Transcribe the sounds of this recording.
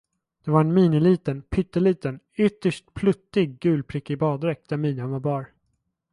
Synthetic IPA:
d̪̥ɛvaɾɛnmiːnɪliːt̪ənpʰʏt̪ːəliːt̪ən | ʏt̪ːəʂʈ̚pʰlɵt̪ːɪɡːʉ̟ːlpʰɾɪkːɪbɑːd̪ɾɛk̚d̪̥æɾmiːnanvaɾbɑːɾ

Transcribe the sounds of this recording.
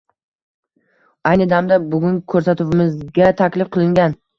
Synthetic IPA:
ajnɪd̪amd̪abʊɡʲʊnkʰɵɾsat̪ʊwɪmɪzɡʲat̪ʰakʲlɪfqʰɨlˠɪŋɡʲan

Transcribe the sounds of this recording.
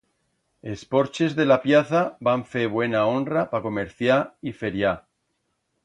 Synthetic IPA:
e̞spo̞ɾt͡ʃe̞zðe̞lapjaθabaɱfeβwe̞nao̞nrapako̞me̞ɾθjaife̞ɾja

